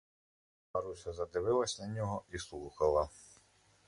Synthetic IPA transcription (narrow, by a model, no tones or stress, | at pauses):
ɐɾusʲɐzɐd̪ɪʋɪlˠɐsʲnɐnʲɔɦɔislˠuxɐlˠɐ